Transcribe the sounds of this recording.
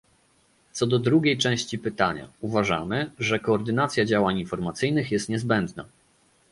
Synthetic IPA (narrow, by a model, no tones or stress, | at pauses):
t̪sɔd̪ɔd̪ɾuɡʲejt͡ʂɛ̃w̃ɕt͡ɕipɘt̪aɲa̰uvaʐa̰mɘʐɛkɔːɾd̪ɘnat̪sʲjad͡ʑawaɲinfɔɾmat̪sɘjnɘxjɛst̪ɲɛzbɛnd̪na̰